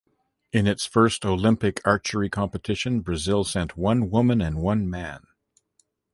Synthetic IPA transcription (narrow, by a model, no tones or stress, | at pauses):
ɨ̃nɨtsfɜ˞stoʊlɪ̃mpɨkʰɑɹt͡ʃə˞ikʰɑ̃mpɨtʰɪʃɨ̃nbɹɨzɪlˠsɛ̃nʔ̚wʌ̃nwʊmɨ̃nɨ̃nwʌ̃nmæ̃n